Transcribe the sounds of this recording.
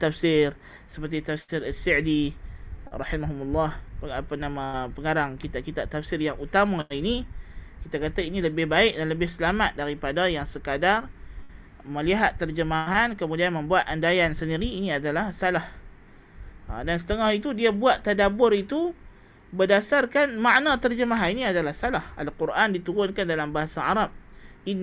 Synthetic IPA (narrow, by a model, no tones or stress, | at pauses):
t̪afsɪr | səpərt̪̬it̪afsɪɾasɪʕdi | rɑħimaɦumulːɑhpəapanamapəŋaɾaŋkit̪aʔ̚kit̪aʔt̪afsɪrjaŋʔut̪amãinikit̪akat̪ainĩləbɪhbaɪk̚danləbɪhsəlamat̪̚daɾipadajaŋsəkadar | mə̃liɦat̪ːərd͡ʒəmaɦankəmũdianmə̃mbuat̪̚andajansəndiɾiːniadalahsalah | a̰dansə̥t̪əŋahit̪udiabuat̪ːadabʊrit̪u | bədasarkanmaʔnãt̪ərd͡ʒəmaɦaniniadalahsalaha̰lkurʔandit̪uɾʊnkandalambaɦasaaɾap̚in